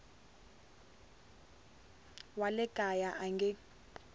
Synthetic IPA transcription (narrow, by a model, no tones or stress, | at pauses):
walɛɡ̥ʼʱajaʔaŋɡɛ